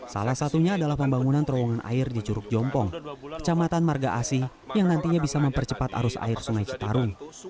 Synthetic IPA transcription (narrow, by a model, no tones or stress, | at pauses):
sa̰lahsat̪uɲaːdalahpəmbaŋunant̪əɾɔwɔŋanʔa̰ɪrdit͡ʃuɾʊk̚d͡ʒɔmpɔŋkə̥t͡ʃamat̪anmarɡaʔasi | jaŋnant̪iɲabisaməmpərt͡ʃəpat̪a̰ɾʊsa̰ɪrsuŋajt͡ʃə̥t̪aɾʊŋ